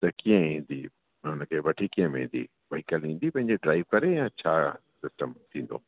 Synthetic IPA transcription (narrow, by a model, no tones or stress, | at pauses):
t̪ɐkijẽĩːnd̪ḭ | ʊnkʰeʋɐʈʰikiə̃mẽĩːn̆d̪ḭ | ʋɐɦikəlĩːnd̪ipɐ̃ɦɪ̃ɲ̆d͡ʑeɖɾaːiʋkɐɾejãːt͡ɕʰaːsɪsʈəmt̪ʰĩːn̆d̪o̰ː